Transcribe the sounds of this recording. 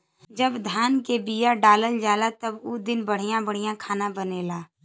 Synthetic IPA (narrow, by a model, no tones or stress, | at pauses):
d͡ʒəbd̪ʱaːnkebijaɖaːləld͡ʒaːlat̪əbud̪ɪnbəɽ̤ijãbəɽ̤ijãkʰaːnãbəneːlaː